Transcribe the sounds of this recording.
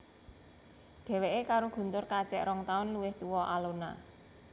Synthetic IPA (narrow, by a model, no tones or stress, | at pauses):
ɖ̥ɛ̤weʔekaɾoɡ̥ṳnt̪ʊrkat͡ʃɛʔɾɔŋt̪aʊnluwɪht̪uwɔʔalona̰